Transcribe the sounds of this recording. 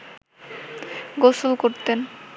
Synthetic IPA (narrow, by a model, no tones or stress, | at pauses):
ɡosulkoɾt̪en